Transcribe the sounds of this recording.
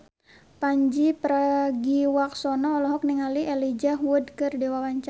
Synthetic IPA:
paɲd͡ʒipɾaɡiwak̚sɔnɔːlɔɦɔk̚niŋaliɛlid͡ʒaɦuwudkɨrdiwawaɲt͡ʃa

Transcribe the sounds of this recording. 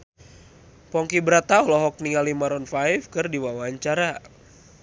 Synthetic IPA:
pɔŋkibəɾat̪aɔlɔɦɔk̚niŋalimaɾɔnfajfkɨrdiwawaɲt͡ʃaɾa

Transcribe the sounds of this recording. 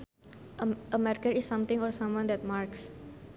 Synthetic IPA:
ʔəmɛɾkəɾisːʌ̃mt̪ɪ̃ŋɔɹsʌ̃mwãnd̪ɛt̪̚marks

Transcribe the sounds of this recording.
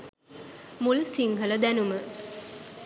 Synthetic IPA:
mulsiŋɡʱələd̪ænumə

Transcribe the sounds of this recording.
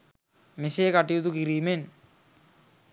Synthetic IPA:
meseːkaʈijut̪ukiɾiːmen

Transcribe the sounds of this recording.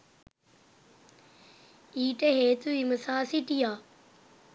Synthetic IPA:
iːʈeɦeːt̪uiməsaːsiʈijaː

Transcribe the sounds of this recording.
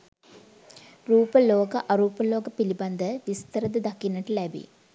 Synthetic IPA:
ruːpəloːkɐʔɐɾuːpəloːɡɐpilibɐnd̪əʋist̪ɐɾəd̪əd̪ɐkinːɐʈəlæbḭ

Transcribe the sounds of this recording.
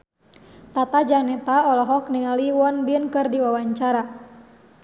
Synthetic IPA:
t̪at̪ad͡ʒanɛt̪aɔlɔɦɔk̚niŋaliwɔnbinkɨrdiwawaɲt͡ʃaɾa

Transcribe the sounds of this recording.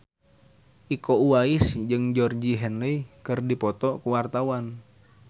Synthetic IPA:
ʔikouaisd͡ʒɨŋd͡ʒɔrd͡ʒiɦɛnləikɨrdipɔt̪ɔkuwart̪awan

